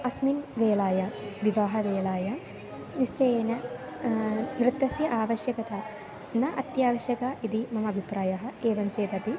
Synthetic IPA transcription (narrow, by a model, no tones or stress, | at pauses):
ɐsminʋeːɭaːjɐʋiʋaːɦɐʋeːɭaːjɐ | nist͡ʃɐjeːnɐ | nɾɨt̪ːɐsjɐʔaːʋɐʃjɐkɐt̪ɐ | nɐʔɐt̪jaːʋɐʃjɐkaʔid̪imɐmɐbʱipɾaːjɐɦɐ̆eːʋɐmt͡ʃeːd̪ɐpi